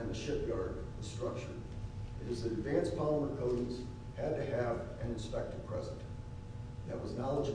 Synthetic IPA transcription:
ɨ̃nðɨʃɪp̚ɡ̥ɑɹd̚ðɨ̥stɹ̥ʌk̚t͡ʃə̰˞ | ɨɾɨzðɨɾɨdvæ̃nspʰɑlˠəmə̃kʰoʊɾn̩z̥ | hɨd̚tɨɨv | ɨ̃nɨ̃n̩spɛk̚tɨd̚pʰɹ̥ɛ̰zə̃n̩ | ðɨt̚wʌznɑlˠəd͡ʒ

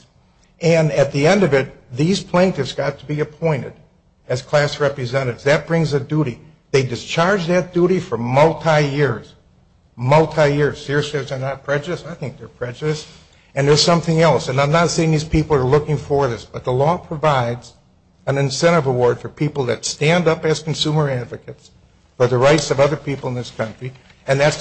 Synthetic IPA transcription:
ɨ̃nɨt̪̚ðiɛ̃ndʌvɪt̪̚ðiz̥pʰl̥æ̃ŋtɨvzɡ̥ɑtʰəbiɨpʰɔ̃ɪ̃ñɨ̰ɾ | ɨz̥kʰl̥æsɹɛpɹɨzɛ̃ɾɨɾɨvzðɨt̚b̥ɹɪ̃ŋzɨduɾi | ðeɪdɨst͡ʃʰɑɹd͡ʒðɨt̚d̥uɾifə˞mʌlˠtʰaɪjɪɹz̥ | mʌlˠtʰaɪjɪɹz̥sɪɹɨsɛvsə˞nət̚pʰɹ̥ɛd͡ʒɨɾɨsaɪθɪ̃ŋk̚ðə˞pʰɹ̥ɛd͡ʒɨɾɨs | ɨ̃nðə˞z̥sʌ̃mθɪ̃ŋɛlˠsɨ̃nãɪ̃mnətseɪɪ̃ŋðiz̥pʰipl̩ˠə˞lʊkɪ̃ŋfə˞ðɪsb̥ʌt̪̚ðəlɔpʰɹ̥ɨvaɪdz̥ | ɨ̃nɨ̃nsɛ̃ɾ̃ʌvəwɔɹd̥fə˞pʰipl̩ˠðɨtstæ̃ndʌpɨz̥kn̩sumə˞ædvɨkɨts | fə˞ðɨɹaɪtsʌvʌðə˞pʰipl̩ˠə̃nðɪskʰʌ̃nt͡ʃɹ̥i | ɨ̃nðæts

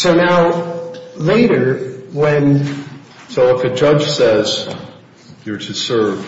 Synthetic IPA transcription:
soʊnaʊ | leɪɾə˞wɛ̃n | soʊlaɪkɨd͡ʒʌ̥ʒ̥sɛz̥ | jə˞ɾɨsɜ˞v̥

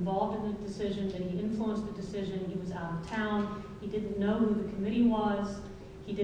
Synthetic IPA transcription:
ɱvɑlˠvdɨ̃nðɨdɨsɪʒɨ̃nðɨ̃t̚iɪ̃ɱfluə̃nsðɨdɨsɪʒɨ̃niwʌza̰ʊɾʌv̥tʰãʊ̃n | idɪdⁿn̩ːoʊhuðɨkʰəmɪɾiwʌz̥ | idɪ

